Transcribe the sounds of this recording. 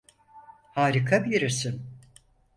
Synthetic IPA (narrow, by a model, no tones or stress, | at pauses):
haːɾikʰabiɾisin